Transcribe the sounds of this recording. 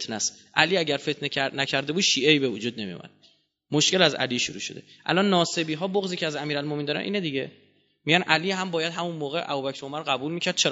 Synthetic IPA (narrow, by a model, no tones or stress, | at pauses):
t̪næst̪ | ʔæliːæɟæɾfe̞t̪ʰneænæcʰæɾd̪e̞buːd̪ʃiːeiːbevod͡ʒuːd̪̚ne̞mḭmæ̰n | moʃke̞læzæ̰liːʃuɾṵːʃo̞̰d̪e | ʔæ̰lɒːnːɒːse̞biːɦɒːboɣziːcʰeæzæmiːɾælmomeind̪ɒːɾæ̰nʔḭːned̪iɟe | miɟænʔæliːɦæmbɒːjæd̪ɦæmunmoːɣeʔæ̰buːbæcʰɾomæɾɢæbuːlmiːcʰæɾd̪̚t͡ʃʰe